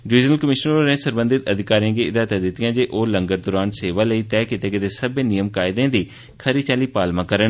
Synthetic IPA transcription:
ɾiːd͡ʒnəlkəmɪʃnəɾoːnẽːsəɾbə̃nd̪ɪt̪əd̪ʱɪkaːɾijãːɡeːɪd̪aːt̪ɛ̃ːd̪ɪt̪ːɪjãːd͡ʒeːʔoːləŋɡəɾd̪ʊɾaːnseːʋaːləiːt̪ɛːkɪt̪eːkɪt̪eːsəbẽːnijəmkaːɪd̪ẽːd̪iː | kʰəɾiːt͡ʃaːliːpaːlmãːkəɾən

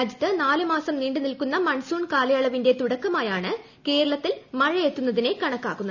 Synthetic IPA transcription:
ɐd͡ʑɐt̪ːɐnaːlɨmaːsɐmniːɳɖɨnilkunːɐmɐɳsuːɳkaːlɐjaːɭɐʋinde̞t̪uɽɐkːɐmaːjaːɳɨ | ke̞ːɾɐɭɐt̪ːilmɐɻɐjet̪ːunːɐðine̞kɐɳɐkːaːɣunːɐ

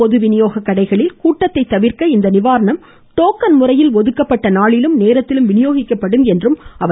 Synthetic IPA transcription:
ɔðɯʋɪnɪjoːɣɐkːɐɽɐɪɣɐɭɪlkuːʈːɐt̪ːɐɪt̪ːɐʋɪɾkɐɪnd̪ɐnɪʋaːɾɐɳɐm | t̪oːkːɐnmʊrɐjɪlʋɔðɯkːɐpːɐʈːɐnaːɭɪlɯmneːɾɐt̪ːɪlɯmʋɪnɪjoːɣɪkːɐpːɐɽɯmɛndrɯmɐʋ

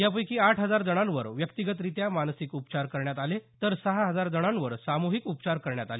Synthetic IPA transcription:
japəjkiːaʈʰɦəd͡zaɾd͡zəɽ̃anʋəɾʋjəkt̪iɡət̪ɾit̪jamansikupt͡ɕaɾkəɾɳjat̪alet̪əɾsəɦaɦəd͡zaɾd͡z̪əɽ̃ãnʋəɾsamuɦikupt͡ɕaɾkəɾɳjat̪ale

